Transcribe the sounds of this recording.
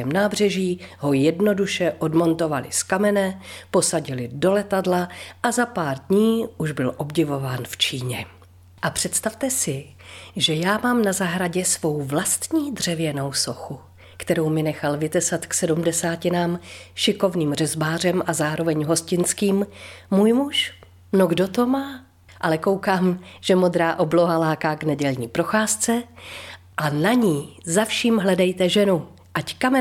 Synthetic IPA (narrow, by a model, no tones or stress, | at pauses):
ɛmnaːbr̝ɛʒiːɦo̞jɛdno̞duʃɛʔo̞dmo̞nt̪o̞valɪ̰skamɛnɛpo̞saɟɪlɪdo̞lɛt̪adlaʔazapaːɾdɲiːʔuʒbɪlʔo̞bɟɪvo̞vaːnft͡ʃiːɲɛ | ʔapr̝̥ɛt̪st̪aft̪ɛsɪ | ʒɛjaːmaːmnazaɦɾaɟɛsvo̞wvlast̪ɲiːd̪r̝̥ɛvjɛno̞wso̞xu | kt̪ɛɾo̞wmɪnɛxalvɪt̪ɛsat̪ksɛdumdɛsaːcɪnaːmʃɪko̞vniːmr̝ɛzbaːr̝ɛmʔazaːɾo̞vɛɲɦo̞scɪnt͡skiːmːuːjmuʃ | noɡdo̞t̪o̞maː | ʔalɛko̞wkaːmʒ̥ɛmo̞d̪ɾaːʔo̞bloɦalaːkaːɡnɛɟɛlɲiːpɾo̞xaːst͡sɛ | ʔanaɲiːzafʃiːmɦlɛdɛjt̪ɛʒɛnu | ʔackamɛ